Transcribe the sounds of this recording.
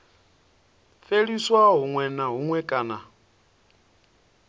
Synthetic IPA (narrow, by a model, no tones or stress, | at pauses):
feɺiswaɦuŋwɛnaɦuŋwɛkʼaːna